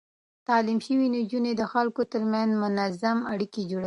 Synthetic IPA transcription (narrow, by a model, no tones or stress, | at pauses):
t̪ɑlimʃəwinod͡ʒuned̪əxalkot̪əɾmanzmʊnazamaɽiked͡ʒoɽa